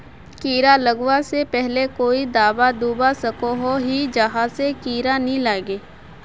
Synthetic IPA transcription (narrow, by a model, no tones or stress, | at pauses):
kiːɾaləɡwasepɛɦlekoːid̪aːbad̪uːbasɐkoɦoɦid͡ʒɐɦasekiːɾanĩlaːɡeː